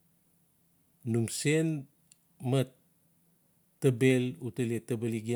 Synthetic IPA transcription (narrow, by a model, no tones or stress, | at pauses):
nuŋsen | mat | abelutaletabaliɡi